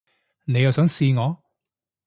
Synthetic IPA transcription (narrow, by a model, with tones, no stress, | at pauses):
ne˨˧jɐ˨wsœː˨˥ŋsiː˧ŋɔː˨˧